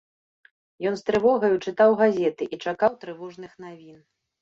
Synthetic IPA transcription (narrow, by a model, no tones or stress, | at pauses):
jɔnst̪ɾɨvɔɣɐjut͡ʂɨt̪awɣazʲɛt̪ɨʔit͡ʂakawt̪ɾɨvɔʐnɨxn̪avʲin